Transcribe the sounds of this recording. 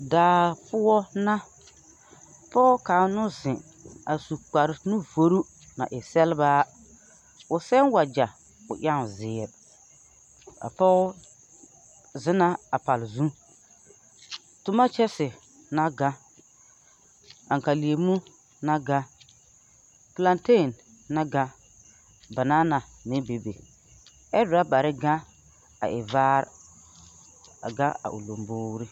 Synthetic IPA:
daː˨pʊ˦ɔ˦na˦ | pɔ˦kaː˨nʊ˦zɪ˨ | a˨su˨k͡pa˨ɾnʊ˦vo˨ɾu˦ | na̰˨ʔɪ˨sɛ˦lba˦ | ʊ˨sɛ˦nwa˨d͡ʒa˨ | ʊ̰˨ʔa˦ŋ˨zɪː˨ɾ | a̰˨pɔ˦ | zɪ˦na˦a˨pa˨lzũ˦ | tʊ˦ma˦t͡ʃɛ˦sɪ˨ | na˦ɡa˦ | a˨ŋ˨ka˨li˨e˨mu˦ | na˦ɡa˦ | pla˨nte˦˨nː | a˦ɡa˦ | ba˨na˦na˨mɪ˦be˨bḛ˨ | ɛ˦dʊ˨ɾa˦ba˨ɾɪ˦ɡa˦ | a̰˨ʔɪ˨vaː˦ɾ | a̰˨ɡa˦a̰˨ʔṵ˨lo˨mboː˦ɾi˦

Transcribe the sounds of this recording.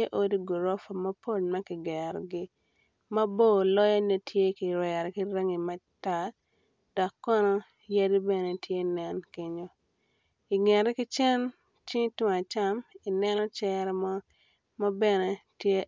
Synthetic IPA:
e˦ʔo˦di˦ɡu˨ɾo˦fa˨ma˦po˦˨lma˦kɪ˨ɡɛ˨ɾɔ˨ɡɪ˦ | ma˦bo˦˨lɔ˦ja˦ne˦tʰje˦kɪ˨ɾwɛ˨ɾki˦ɾə˦ŋi˨ma˦ta˨ | dɔ˨kːɔ˦nɔ˦ | je˦di˦bɛ˨ne˨tʰje˦nɛ˦nki˨˦ɲo˦ | i˨ŋɛ˨ɾɛ˦kɪ˦t͡ʃɛ˦n | t͡ʃi˦tʊ˦ŋa˨t͡ʃa˦mi˨nɛ˦nɔ˦t͡ʃɛ˦ɾɛ˦mɔ˦ | ma˦bɛ˦ne˦tje˦

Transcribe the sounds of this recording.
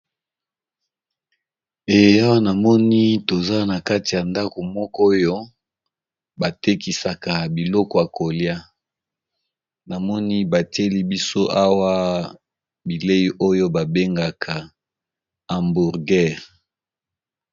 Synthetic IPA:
e˨je˨a˦wa˦na˨mɔ˦ni˦to˨za˦na˨ka˦ti˨ja˨nda˦ko˨mɔ˦kɔ˦jo˦ | ba˨te˦ki˨sa˨ka˨bi˨lɔ˦kɔ˨ja˨ko˨lja˦ | na˨mɔ˦ni˦ba˨te˦li˦bi˦so˦ʔa˦wa˦ | bi˨le˦ji˦ʔo˦jo˦ba˨be˦ŋɡa˨kʰa˨ | a˨mbu˨ʁɡɛ˦ʁ

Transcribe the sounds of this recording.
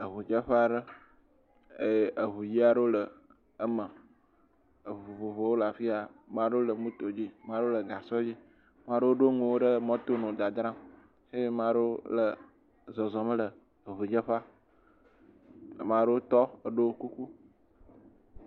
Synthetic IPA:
ə˨βu˨d͡ʒə˦ɸə˦a˨ɖə˦ | e˦˨ə˨βu˨ji˦a˨ɖə˦wo˦lə˨ | ə˦mə̃˨ | ə˨o˨vo˨vo˨wo˦la˨fi˦a˨mã˦ɖo˦o˦lə˨mũ˦t̪o˨d͡ʑi˦mã˦ɖo˦o˦lə˨ɡa˨sɔ˦d͡ʑi˦ | mã˦ɖə˦wo˦ɖo˦ŋũ˨wo˦ɖə˦mɔ̃˦t̪o˦nɔ̃˨d̪a˨d̪ɾã˦m | je˦e˦mã˦ɖə˦wo˦lə˨ | zɔ˨zɔ˨mə˦lə˨ | βu˨d͡ʒə˦ɸa˦˨ | mã˦ɖə˦o˦t̪ɔ˦ə˨ɖo˦ku˦ku˦

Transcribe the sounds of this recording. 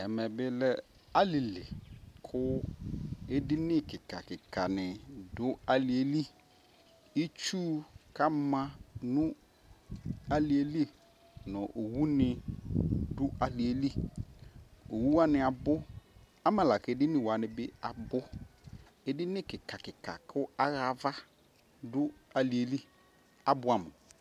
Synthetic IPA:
ɛ˨mɛ˨bɪ˦lɛ˦ | a˦li˨lḛ˨kʰʊ˦ | e˦dɪ˦nɪ̃˦kɪ˨kʰa˨kɪ˨kʰa˨nɪ̃˨dʊ˦a˨lɪ˨e˨li˦ | i˦t͡ʃu˦kʰa˦mã˦nũ˦ | a˨li˨e˨li˦e˨ | nʊ̃˨ʔo˨wu˦nɪ̃˨ | dʊ˦a˨lɪ˨e˨li˦ | o˨wu˦wa˦nɪ̃˨a˨bʊ˦ | a˦mã˨la˨kɛ˨˦dɪ˦nɪ̃˨wa˨nɪ̃˨be˦a˨bʊ˦ | e˦dɪ˦nɪ̃˦kɪ˨ka˨kɪ˨ka̰˨kʰʊ˦a˦ɣa˦˨va˦ | dʊ˦a˨li˨e˨li˦ | a˨bʊ˨˦a˨mʊ̃˨

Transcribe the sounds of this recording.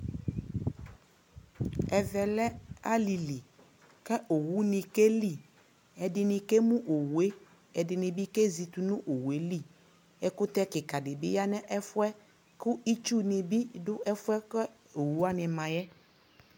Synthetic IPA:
ɛ˨vɛ˨lɛ˦a˦li˨li˨ | kɛ˦ʔo˨wu˦nɪ̃˨ke˦li˦˨ | ɛ˨dɪ˨nɪ̃˨ke˦mũ˦ʔo˨wu˨e˦ | ɛ˨dɪ˨nɪ̃˨bi˦ke˦zi˨t̪u˨nũ˦ʔo˨wu˨e˦li˦˨ | ɛ˦kʊ˦t̪ɛ˦kɪ˨ka˨dɪ˨bɪ̰˦ja˦nɛ̃˦ʔɛ˦fʊ˦ɛ˦ | kʊ˦i˦t͡ʃu˦nɪ̃˨bi˦dʊ˦ʔɛ˦fʊ˦ɛ˦kɛ˦ | o˨wu˦a˦nɪ̃˨mã˨jɛ˦

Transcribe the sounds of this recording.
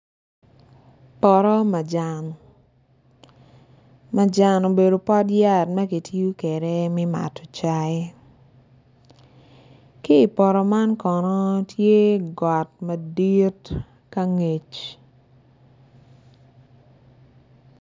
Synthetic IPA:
pɔ˨ɾɔ˦ma˨d͡ʒa˨n | ma˨d͡ʒa˨no˨be˨do˨pɔ˦tja˦tmɐ˦ki˨ti˦u˦kɛ˨ɾɛ˦mɪ˦ma̰˨tɔ˨t͡ʃa˦ | kiː˦˨pɔ˨ɾɔ˨ma˦nkɔ˨nɔ˦tʰje˦ɡɔ˨tmɐ˨di˦t | ka˦ŋe˨t͡ʃ

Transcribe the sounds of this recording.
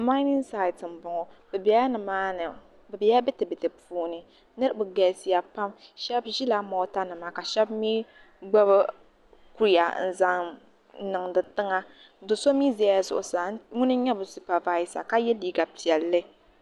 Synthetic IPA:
ma˦ɪ˦nɪ˦ŋsa˨ɪ˨tɨ˨m̩˨bʊ˨ŋɔ˨bɛ˨bɛ˨˦a˦nɨ˨maː˦nɨ˨ | bɛ˨bɛ˨˦a˦bɛ˦tɨ˨bɨ˨tɨ˨puː˦nɨ˨ | nɨ˦ɾɨ˦bʊ˨ɡɛ˨si˨ja˨pa˦mʃɛ˦bʒi˦la˦mɔ˨˦ta˦nɨ˨ma˦ka˨ʃɛ˦bmiː˦ | ɡ͡ba˦bɨ˦ | ku˦ɾja̰˨n̩˨za˦ŋ˦ | nɨ˨ŋdɨ˨ntɨ˦ŋa˦ | dʊ˨so˦mi˦zɛ˦a˦a˨zʊ̰˨ʔʊ˨saː˨˦ŋʊ˦nɨ˦ɲɛ˦bʊ˨su˨pa˨va˦i˦sa̰˨ka˦jɛ˦liː˦ɡa˨pi˨ɛ˨lːɨ˦

